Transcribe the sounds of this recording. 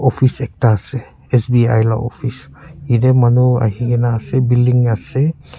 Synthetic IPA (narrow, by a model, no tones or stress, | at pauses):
ɔpʰisɛk̚taːsɛ | ɛsbia̰jla̰ʔɔ̰pʰisiɾɛmanua̰ɦiɡɛnaːsɛbildiŋasɛ